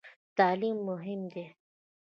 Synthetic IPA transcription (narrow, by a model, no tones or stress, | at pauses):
t̪aːliːmːʊɦɪmd̪e